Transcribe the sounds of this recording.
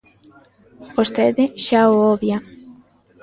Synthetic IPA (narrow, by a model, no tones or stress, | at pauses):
bost̪eðɪʃaooβja